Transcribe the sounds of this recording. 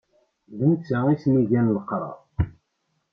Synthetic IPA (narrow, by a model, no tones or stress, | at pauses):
ðənt͡sːæisniʝænləqɾˤɑ̰ˤ